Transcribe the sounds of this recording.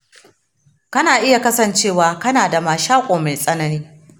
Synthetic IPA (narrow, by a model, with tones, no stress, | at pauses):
kɐ˦naː˨ʔɪ˦ja˨kɐ˦sɐ˨nt͡ʃeː˦˨waː˨kɐ˦naː˨da˨maː˨ʃaː˦kʷʼoː˨ma˨jsʼɐ˦nɐ˦niː˦